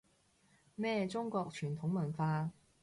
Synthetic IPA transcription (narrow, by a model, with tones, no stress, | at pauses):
mɛː˥˩t͡sʊ˥ŋkɔː˧k̚t͡ʃʰyː˨˩t̪ʰʊ˨˥ŋmɐ˨˩nfaː˧